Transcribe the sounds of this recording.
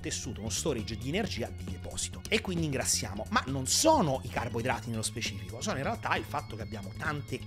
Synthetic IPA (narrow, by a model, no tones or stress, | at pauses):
t̪esːuːt̪ounost̪oːɾid͡ʒːd̪ienerd͡ʒiːad̪id̪epɔ̰ːzi̥t̪oekːwind̪iːŋɡɾat̪sːja̰ːmomanːonsoːnoʔikarboid̪ɾaːt̪inelospet͡ʃiːfikosɔːnoinrealt̪ailfat̪ːok̟eabːjaːmot̪ant̪e